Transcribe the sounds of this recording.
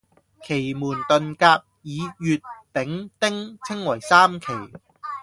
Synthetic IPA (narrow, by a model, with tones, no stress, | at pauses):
kʰe˨˩jmuː˨˩nt̪ɵ˨nkaː˧p̚jiː˨˧jyː˧t̚pɪ˨˥ŋt̪ɪ˥ŋt͡sʰɪ˥ŋwɐ˨˩jsaː˥mkʰe˨˩j